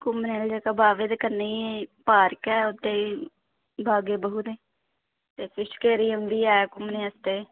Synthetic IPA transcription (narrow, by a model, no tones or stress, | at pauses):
kʊmneːld͡ʒeːkaːbaːʋed̪kəɾniːpaːɾkɛːʊt̪ːeː | bʱaːɡeːbəɦuːt̪eː | t̪eːsɪʃkeːɾiːɦʊ̃nd̪iːɛːkʊmnẽːəst̪eː